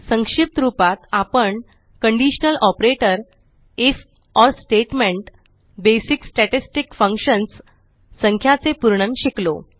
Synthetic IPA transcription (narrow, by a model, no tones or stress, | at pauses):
sə̃ŋkʂip̚t̪ɾupat̪apəɳ | kəɳɖiɕnəlɔpɾeʈəɾ | ef | ɔɾsʈeʈmẽɳʈ | besiksʈɛʈisʈikfəŋkɕənsː | əŋkʰjat͡sepuɾɳənɕiklo̰